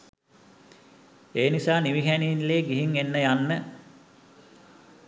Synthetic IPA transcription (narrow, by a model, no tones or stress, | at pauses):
eːnisaːniʋiɦæninleːɡiɦiŋenːəjanːə